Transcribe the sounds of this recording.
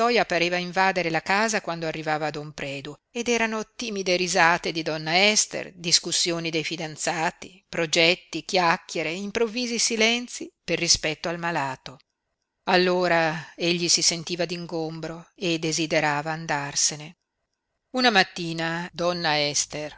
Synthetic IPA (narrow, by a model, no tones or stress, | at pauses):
ɔjapaɾeːvaiɱvaːd̪eɾelakaːzakwand̪oarːivaːvaːd̪ompɾɛːd̪ued̪ɛːɾanot̪iːmid̪eɾizaːt̪ed̪id̪ɔnːaɛst̪ḛrd̪iskusːjoːnid̪ejfid̪ant̪saːt̪i | pɾod͡ʒɛt̪ːikjakːjeɾeimpɾovːiːzisilɛnt̪siperːispɛt̪ːoalmalaːt̪o | alːoːɾaeʎːisisent̪iːvad̪iŋɡombɾoed̪ːezid̪eɾaːvaːnd̪arsene | unamat̪ːiːnad̪ɔnːaɛst̪er